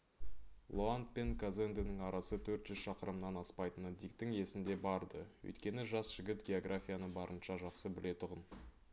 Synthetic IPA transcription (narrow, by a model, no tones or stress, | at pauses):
lˠoant̪̚pe̞nkʰazend̪enɪŋɑɾʔɑsət̪ʰɵɾt̪ʒ̥ʏzʃɑqəɾəmnɑnɑspɑjt̪ənəd̪ijk̚t̪ɪŋe̞sɪnd̪e̞bɑɾd̪əwɵ̰jt̪kʲe̞nɪʒɑsʒ̥ɪɡʲɪt̪ɡʲe̞o̞ɡrafʲijanəbɑɾʔənʃɑʒɑqsəbɪle̞t̪ʰʊʁən